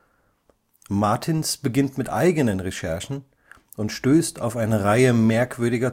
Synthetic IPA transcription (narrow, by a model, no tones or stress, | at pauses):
maɐtʰɪnsb̥əɡɪntmɪtʔa̰ɪɡənənʁeʃɛɐʃn̩ | ʊntʃtøːstʰa̰ʊfaɪnəʁaɪəmɛɐkv̥ʏɐdɪɡɐ